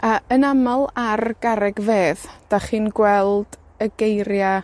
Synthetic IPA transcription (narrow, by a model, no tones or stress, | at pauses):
aənamalˠarɡ̥aɾɛɡveːðd̥aχiːnɡwɛlˠd̥ | əɡejɾja